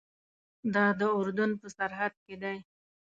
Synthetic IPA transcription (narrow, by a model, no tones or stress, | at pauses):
d̪ɑd̪əʊɾd̪ʊnpəsaɾɦad̪̚ked̪aj